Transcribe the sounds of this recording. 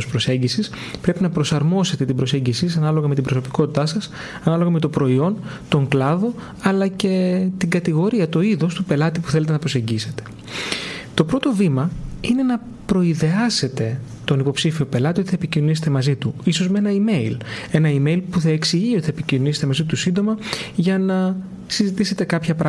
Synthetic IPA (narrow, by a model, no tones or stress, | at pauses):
spɾo̞se̞ɲɟisis | pɾe̞pinɐpɾo̞sɐɾmo̞se̞t̪e̞t̪ibɾose̞ɲɟisisɐnɐlo̞ɣɐmet̪ibɾo̞so̞pi̥ko̞t̪it̪ɐsɐs | ɐnɐlo̞ɣɐme̞t̪o̞pɾo̞io̞nt̪o̞ŋklɐðo̞ | ɐlɐce̞t̪iŋɡɐt̪iɣo̞ɾiɐt̪o̞iðo̞st̪upe̞lɐt̪ipu̥θele̞t̪enɐpɾo̞se̞ɲɟise̞t̪e̥ | t̪o̞pɾo̞t̪o̞vimɐine̞nɐ | pɾo̞iðe̞ɐse̞t̪e̞ | t̪o̞nipo̞psifio̞pe̞lɐt̪io̞t̪iθɐepicinoniset̪emɐzit̪uiso̞zmee̞nɐime̞ile̞nɐime̞ilpuθɐeksiʝiot̪iθɐepicinonise̥t̪emɐzit̪usind̪o̞mɐʝɐnɐ | sizit̪ise̞t̪e̞kɐpçɐpɾɐ